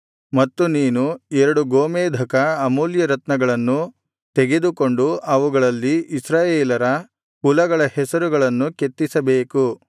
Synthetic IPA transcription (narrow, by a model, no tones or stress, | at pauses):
mɐt̪ːuniːnuɛɾɐɽuɡoːmeːd̪ʱɐkɐːmuːljɐɾɐt̪nɐɡɐɭɐnːu | t̪eɡe̞d̪uko̞ɳɖuɐʋuɡɐɭɐlːiːsɾaːjeːlɐɾɐ | pulɐɡɐɭɐhɛsɐɾuɡɐɭɐnːuket̪ːisɐbe̞ːku